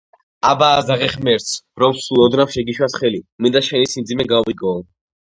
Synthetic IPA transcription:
abaːzaʁɛχmɛɾt̪sʰɾɔwsulˠɔd̪nafʃɛɡiʃwasχɛlimind̪aʃɛnisimd̪zimɛɡawiɡɔː

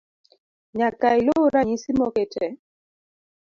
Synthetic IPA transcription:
ɲakailoɾaɲisimɔketɛ

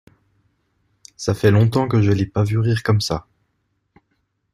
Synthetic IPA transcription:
safɛlɔ̃t̪ɑ̃kəʒəlɛpavyʁiːʁkɔmsa

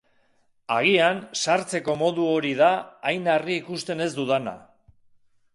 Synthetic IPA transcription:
aɣ̞iansaɾt͡se̞ko̞mo̞ðuo̞ɾiðaːjnariːkust̪e̞ne̞zd̪uðana̰

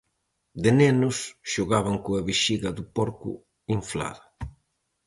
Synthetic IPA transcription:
d̪enɛnʊsʃoɣaβaŋkoaβiʃiɣɐðʊpɔɾkʊ̰ | iɱfla̰ðɐ

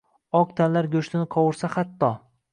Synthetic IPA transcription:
ɒq̚t̪ʰanlaɾɡʲɵʃt̪ɪnɪqʰɒwɪɾsaχat̪ːɒ

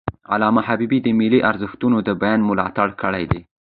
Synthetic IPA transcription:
a̰lɑmaɦabibid̪əmɪliʔaɾzɪxt̪unod̪əbajɑnmʊlɑt̪aɽkəɽajd̪e

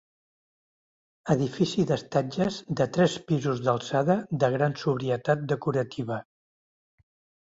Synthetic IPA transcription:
əðifisiðəst̪ad͡ʒəzd̪ət̪ɾɛspizuzðəlˠsaðəðəɣ̞ɾansuβɾiət̪at̪̚d̪əkuɾət̪ʰiβ̞ə

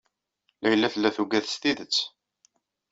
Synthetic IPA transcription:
læjəlːæθlːæθuɡæθst̪iðət͡sː

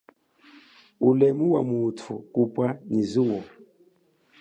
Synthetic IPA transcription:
ulɛmuwamutʰukupwaniziwɔ

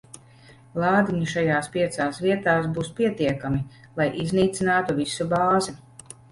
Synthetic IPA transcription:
lˠaːd̪iɲuʃajaːspiɛt̪saːsviɛt̪aːsbuːspiɛt̪iɛkami | lˠajʔizniːt̪sinaːt̪uvisubaːzi

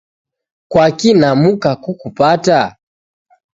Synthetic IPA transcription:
kwakinamukakukupata

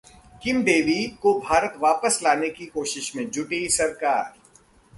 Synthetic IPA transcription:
kɪmd̪eːʋikobʱaːɾət̪ʋaːpəslaːnekikoːʃɪʃmẽd͡ʒʊʈesɐɾkaːɾ

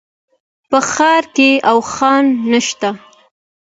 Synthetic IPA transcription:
pəxɑɾkeawxɑnːəʃt̪a

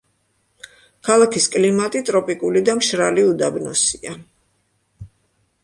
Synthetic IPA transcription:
kʰalˠakʰiskʼlimat̪ʼit̪ʼɾɔpʼikʼulid̪amʃɾaliud̪abnɔsia

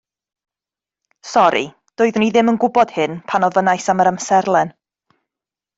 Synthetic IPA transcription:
sɔɾḭ | d̥ʊːɨðniðɪmənɡʊbɔd̥hɨnpʰanɔvənajsaməɾamsɛrlˠɛn

